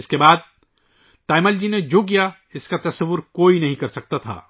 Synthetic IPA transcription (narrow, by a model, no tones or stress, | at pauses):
ɪskebaːd̪̚ | t̪aːɪməld͡ʒined͡ʒok̬ija | ɪskat̪ɐsəʋːʊɾkoːinɐɦĩkɐɾsɐk̚t̪at̪ʰa̰ː